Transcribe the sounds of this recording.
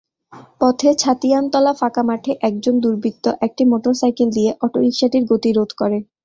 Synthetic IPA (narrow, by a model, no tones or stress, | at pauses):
pɔt̪ʰet͡ɕʰat̪iant̪ɔlafakamaʈʰeʔɛk̚d͡ʑond̪uɾbʱik̚t̪ːoʔɛk̚ʈimoʈoɾsajkeld̪ijeʔɔʈoɦikʃaʈiɾɡot̪iɾod̪ʱkɔɾe